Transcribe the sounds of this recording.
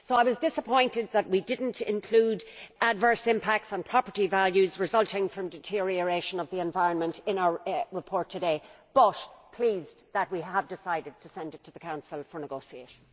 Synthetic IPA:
soʊaɪwɒzdɪsəpʰɔ̃ɪ̃ntɪd̪̚ðət̚widɪdⁿn̩tʰɪ̰̃nkʰl̥uːdədvɜ˞sɪ̃mpʰæk̚tsn̩pʰɹ̥ɑpə˞ɾivæljʉzɹɨzʌlˠtɪ̃ŋfɹʌ̃mdɪtʰɪɹiə˞eɪʃə̃nʌvðiɛ̃ɱvaɪɹə̃nmə̃ntɪ̃naʊə˞ɹəpʰɔɹtʰɨdeɪ | b̥ʌtpʰl̥iːz | ðət̚wiəvdɪsaɪdɨd̚tʰəsɛ̃ndɨtʰəðəkʰãʊ̃nsl̩ˠfə˞nəɡoʊsiḛɪʃə̃n̩

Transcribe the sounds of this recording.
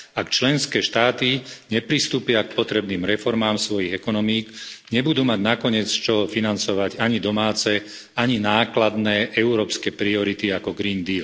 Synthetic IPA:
akt͡ʃlɛnskɛːʃt̪aːt̪iɲɛpɾist̪uːpɪak̚pɔt̪ɾɛbniːmɾɛfɔɾmaːmsʋɔjiɣɛkɔnɔmiːkɲɛbud̪uːmaɟnakɔɲɪɛt͡st͡ʃɔfinant͡sɔʋaɟaɲid̪ɔmaːt͡sɛ | aɲinaːklad̪nɛʔɛuɾɔːpskɛpɾiɔɾit̪iakɔɡɾind̪iːl

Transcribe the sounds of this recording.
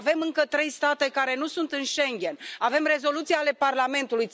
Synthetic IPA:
ve̞mɨŋkət̪ɾe̞jst̪at̪e̞kaɾe̞nusunt̪ɨnʃe̞ŋɡʲe̞nave̞mre̞zo̞lut̪siale̞parlame̞nt̪uluj

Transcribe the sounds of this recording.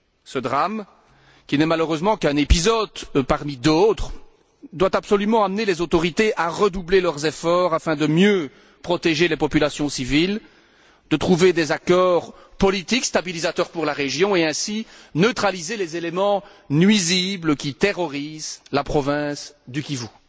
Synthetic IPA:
səd̪ʁam | kʲinɛmaløʁøzmɑ̃kɛ̃nepizɔd̪paʁmid̪ot̪χ | d̪wat̪apsɔlymɑ̃amnelezot̪ɔʁit̪eʔaʁəd̪ublelœʁzefɔːʁafɛ̃d̪əmjø | pχɔt̪eʒelepɔpylasjɔ̃sivil | d̪̥ət̪χuved̪ezakɔːʁ | pɔlit̪ikst̪abilizat̪œʁpuʁlaʁeʒjɔ̃eɛ̃sinøt̪χalizelezelemɑ̃ | nɥizibləkʲit̪eʁɔʁizlapχɔvɛ̃sd̪ykʲivu

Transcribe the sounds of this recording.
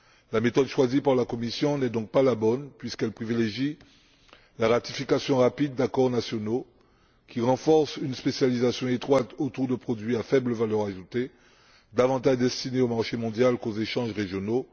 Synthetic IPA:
lamet̪ɔd̪ʃwazipaʁlakɔmisjɔ̃nɛd̪ɔ̃k̚palabɔnpɥiskɛlpχivileʒi | laʁat̪ifikasjɔ̃ʁapid̪ːakɔʁnasjɔno | kʲiʁɑ̃fɔʁsynspesjalizasjɔ̃et̪χwat̪ot̪uʁd̪əpχɔd̪ɥiafɛbləvalœʁaʒut̪e | d̪avɑ̃t̪aʒd̪ɛst̪ineomaʁʃemɔ̃d̪jalkozeʃɑ̃ʒʁeʒjɔno

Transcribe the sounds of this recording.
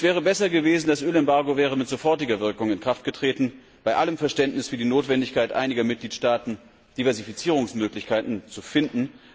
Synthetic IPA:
sv̥ɛːʁ̞əbɛsɐɡəveːzn̩dasʔøːlɛmbaɐɡovɛːʁ̞əmɪtz̥ofɔɐtɪɡɐvɪɐkʊŋɪnkʁ̥aftɡ̥ətʁ̥eːtn̩ | b̥aɪʔaləmfɛɐʃtɛntnɪsfyːɐdiːnoːtv̥ɛndɪçkʰaɪtʔa̰ɪnɪɡɐmɪt̚ɡ̥liːtʃtaːtn̩ | d̥ivɛɐzifit͡siːʁ̞ʊŋsmøːklɪçkʰaɪtn̩t͡sufɪndn̩

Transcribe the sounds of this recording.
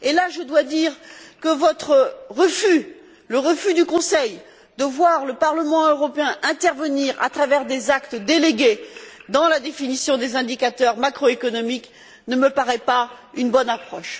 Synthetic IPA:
elaʒəd̪wad̪iʁkəvɔt̪χəʁəfy | ləʁəfyd̪ykɔ̃sɛj | d̪əvwaʁləpaʁləmɑ̃øʁɔpeɛ̃ʔɛ̃t̪ɛʁvəniʁa̰t̪χavɛʁd̪ezakt̪d̪eleɡʲed̪ɑ̃lad̪efinisjɔ̃d̪ezɛ̃d̪ikat̪œʁmakχɔekɔnɔmik | nəməpaʁɛpaynbɔnapχɔʃ

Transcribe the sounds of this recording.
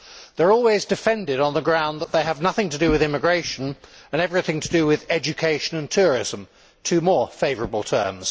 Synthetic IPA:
ðə˞ɔlˠwɪzdɨfɛ̃ndɪɾn̩ðəɡɹãʊ̃nðəʔ̪̚ðeɪəvnʌθɪ̃ŋtʰədɨwɪðɪ̃mɨɡɹeɪʃə̃nə̃nɛvɹɪθɪ̃ŋtʰədɨwɪðɛd͡ʒɨkʰeɪʃə̃nə̃ntʰʊɹɪ̰zə̃m | tʰʉmɔɹfeɪvə˞əbəlˠtʰɜ̰˞mz̥

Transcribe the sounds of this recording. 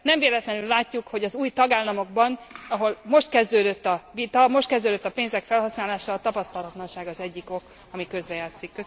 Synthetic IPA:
nɛmveːlɛt̪lɛnylːaːcːukho̞ɟɒzuːjt̪ɒɡaːlːɒmo̞ɡ̚bɒnɒɦo̞lmo̞ʃt̪̚kɛzd̪øːd̪øt̪ːɒvit̪ɒmo̞ʃt̪kɛzd̪øːd̪øt̪ːɒpeːnzɛkfɛlɦɒsnaːlaːʃɒːt̪ɒpɒst̪ɒlɒt̪lɒnʃaːɡɒzɛɟːiko̞k | ɒmikø̞zɾɛjaːt̪sikːø

